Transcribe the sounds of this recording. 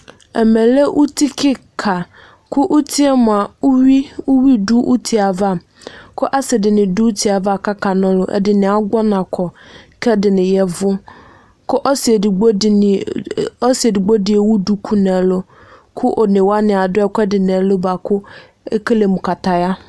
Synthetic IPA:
ɛ̰˨mɛ̃˨le˦ʔu˦tʰi˦kʰɪ˦kʰa˨ | kʰʊ˦ʔu˦tʰi˦ɛ˦mʊ̃˨a˨˦wi˦u˦wi˦du˦ʔu˦tʰi˨a˨va˦˨ | kʰʊ˦ʔa˦sɪ˨dɪ˨nɪ̃˨du˦u˦tʰi˨a˨va˦˨kʰa˦kʰa˨nʊ̃˦lʊ˦ʔɛ̰˦dɪ˨nɪ̃˨a˦ɡɔ˦nã˨kʰɔ˨kʰɛ˦dɪ˨nɪ̃˨jɛ˦vʊ˦ | kʰʊ˦ʔɔ˦si˨di˨ɡ͡bɔ˦si˨e˨di˨ɡ͡bo˦dɪ˨ɛ˨wʊ˦du˦kʰu˦nã˨lʊ˦ | kʰʊ˦ʔɔ˨nɪ̃˨wa˦nɪ̃˨a˨dʊ˦ɛ˦kʰʷɛ˦dɪ˨na˨˦lʊ˦ba˨kʰʊ˦ | ɛ˦kʰe˦le˨mũ˨kʰa˨tʰa˨ja˦

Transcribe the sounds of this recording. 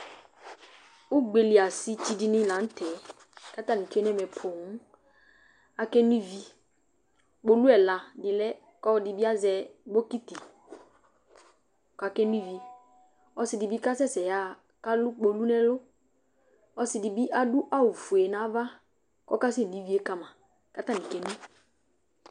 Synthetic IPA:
ʊ˦ɡ͡be˨li˨a˨sɪ˦t͡ʃi˨di˨nɪ̃˦la˨˦n̩˦tʰɛ˨ | ka˦t̪a˦nĩ˨ke˦nɛ˦mɛ˨pʰo˨ŋ˦ | a˨kɛ˦ni˦vi˦ | k͡po˨lu˦ɛ˨la˨dɪ˨lɛ˦ | kɔ˦dɪ˨bi˦a˦zɛ˨ɡ͡bo˦ki˦ti˨ | ka˨kɛ˦n˦i˦vi˨ | ɔ˦sɪ˨dɪ˨bi˦ka˦sɛ˦sɛ˨ja˦˨ | ka˦lʊ˦k͡po˨lu˦nɛ˦lʊ˦ | ɔ˦sɪ˨dɪ˨bi˦ʔa˦dʊ˦ʔa˦wu˨fu˨e˨na˨˦va˦ | kɔ˦ka˦sɛ˦˨di˨˦vi˦e˦ka˦mã˨ | ka˦ta˦˨nĩ˨kɛ˨˦nĩ˦

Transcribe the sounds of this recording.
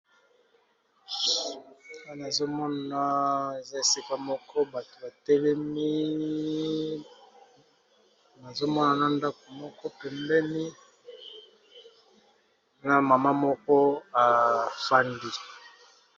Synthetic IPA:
a˦na˨zo˦mɔ˦nna˨e˨za˦e˨si˦ka˦mɔ˦kʰɔ˦ba˨to˨ba˨tɛ˦lɛ˦mi˦ | na˨zo˦mɔ˦na˨na˦nda˦ko˨mɔ˦kɔ˦pɛ˨mbɛ˦ni˦ | na˦ma˨ma˦mɔ˦kɔ˦a˨fa˦ndi˦

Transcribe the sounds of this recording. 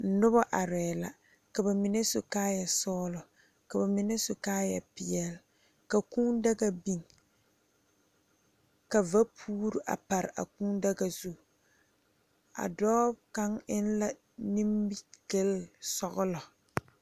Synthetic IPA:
n̩˨˦nʊ˦ba˦ʔa˨ɾɛː˨la̰˨ | ka˨ba˨mɪ˨nɛ˦sʊ˨kaː˦ja˨sɔː˦lɔ˨ | ka˨ba˨mɪ˨nɛ˦sʊ˨kaː˦ja˨pɪ˨jɛ˨l | ka˨kuː˦n˦dɛ˦ɡa˨bi˦ŋ | ka˨va˦pʰuː˦ɾu˨ʔa̰˨pa˨ɾɪ˨a̰˨kuː˦n˦dɛ˦ɡa˨zu˦˨ | a̰˨dɔː˦bka˦ŋɪ˦nla˦ | ni˦mbi˦ɡe˦lsɔ˦ɣʊ˦lɔ˨

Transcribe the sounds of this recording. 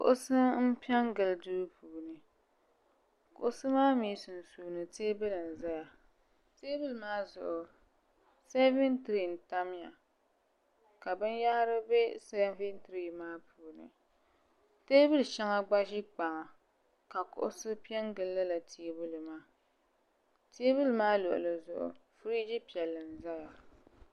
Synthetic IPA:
kʊ̰˨ʔʊ˦sɨ˦m̩˦pi˦ɛ˦ŋɡɨ˨ldɨ˦ɾpuː˨nɨ˨ | kʊ̰˨ʊ˦sɨ˦maː˦miː˦sɨ˨n˨su˨nɨ˨teː˦bɨ˦lɨ˨n̩˨za˦ja˨ | teː˦bɨ˦lɨ˨maː˦zʊ̰˨ʔʊ˨ | se˦vɪ˦ntɨ˨ɾi˨n̩˨ta˦m˦ja̰˨ | ka˨bɨ˦nja˦hɾɨ˦be˦se˦vi˦ntɾi˨maː˦pʰu˨nɨ̰˨ | teː˦bɨ˦lɨ˨ʃɛ˦ŋa˦ɡ͡ba˦ʒi˦k͡pa˨ŋa˨ | ka˨kʊ̰˦˨ʔʊ̰˦sɨ˦pi˦ɛ˦ŋɡɨ˨lːɨ˦la˨tʰi˦bu˦lɨ˨maː˦ | ti˦bu˦lɨ˨maː˦lo̰˨ʔʊ̰˨lɨ˨zʊ˨ʔʊ̰˨fɾi˦d͡ʒi˦pi˨ɛ˨lːɨ˨n˨za˦ja˨

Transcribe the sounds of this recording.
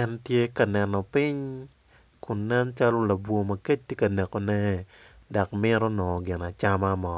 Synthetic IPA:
ɛ˦ntje˦ka˨nɛ˨nɔ˨pɪ˦ɲ | kʊ˨nːɛ˦nt͡ʃa˦lo˦la˨bwo˨mɐ˨ke˦t͡ʃ̚tːe˦kɐ˨nɛ˨ko˨nɛ˦ | da˨k̚mɪ˦ɾɔ˦nɔ˨ɡɪ˨na˨t͡ʃa˦ma˦mɔ˨

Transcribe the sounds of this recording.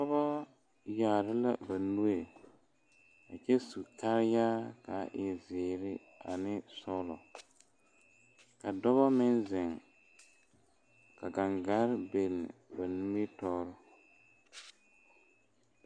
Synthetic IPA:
dɔ˦bɔ˦ | jaː˨ɾɪ˦la̰˨ba˨nu˦e˨ | a˨t͡ʃɛ˦su˨ka˦ɾɪ˦jaː˦ka̰˨ʔɪ˨zɪː˨ɾɪ˦ | a̰˨nɪ˦sɔ˦lɔ˨ | ka˨dɔ˦βɔ˦mɪ˦nzɪ˨ŋ | ka˨ɡa˨ŋɡa˦ɾbe˨l̰ːba˨nu˦e˦tɔː˦ɾɪ˦

